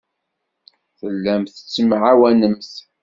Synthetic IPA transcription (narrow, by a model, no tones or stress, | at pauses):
θəlːæmθə̥t͡sːəmʕawænəmθ